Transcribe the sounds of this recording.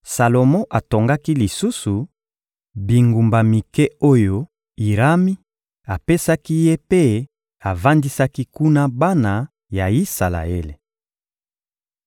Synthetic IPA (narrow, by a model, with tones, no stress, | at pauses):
sa˨lo˨mɔ̃˦ʔa˨to˨ŋɡa˦ki˦li˨su˦su˨ | bi˨ŋɡu˨mba˨mi˨kɛ˦o˦jo˦ | i˨ʁa˦mi˦ | a˨pe˦sa˦ki˦je˦pe˦ | a˨va˦ndi˦sa˦ki˦ku˦na˦ba˦na˨ | ja˨i˦sa˨la̰˨e˦le˨